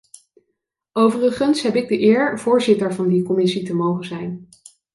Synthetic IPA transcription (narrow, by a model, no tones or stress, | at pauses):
owvərəχənsɦɛpɪɡ̚dəʔɪːɹv̥ʊːɹzɪtəɹvɑndikɔmɪsitəmowχəzɛjn